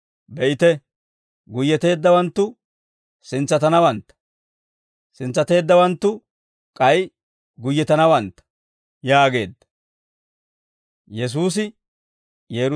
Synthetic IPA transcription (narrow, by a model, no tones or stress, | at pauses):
bɛʔɪt̪ɛ | ɡʊjːɛt̪e̞ːd̪ːɐwɐnt̪ːʊ | sɪnt͡sːɐt̪ɐnɐwɐnt̪ːɐ̥ | sɪnt͡sːɐt̪e̞ːd̪ːɐwɐnt̪ːʊ | kʼɐj | ɡʊjːɛt̪ɐnɐwɐnt̪ːɐ̥ | jaːɡe̞ːd̪ːɐ̥ | jɛs̬uːs̬ɪ | jeːɾ